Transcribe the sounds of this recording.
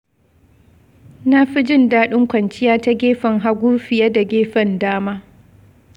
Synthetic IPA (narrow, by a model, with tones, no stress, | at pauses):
na˦ɸi˦d͡ʒɪ˦˨ndaː˦ɗʊ˦ŋkʷɐ˨nt͡ʃɪ˦jaː˦ta˦ɡʲeː˦ɸɐ˨ŋɦa˦ɡʷu˦ɸɪ˨ja˦da˨ɡʲeː˦ɸɐ˦˨ndaː˦maː˦